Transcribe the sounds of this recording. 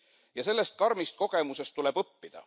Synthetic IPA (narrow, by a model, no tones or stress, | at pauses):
jɑse̞lːe̞st̪̚kɑɾmist̪̚ko̞ɡ̥e̞muse̞st̪t̪ule̞b̥ɤpːid̪̥ɑ̰